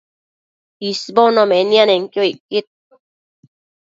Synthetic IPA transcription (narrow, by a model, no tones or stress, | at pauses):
isibɔnɔmenianeŋkjoikːit̪̚